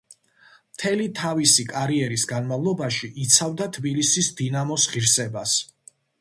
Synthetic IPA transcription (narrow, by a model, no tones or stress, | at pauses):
mt̪ʰɛlit̪ʰavisikʼaɾiɛɾisɡanmavlˠɔbaʃiʔit̪sʰavd̪at̪ʰbilisisd̪inamɔsʁiɾsɛbas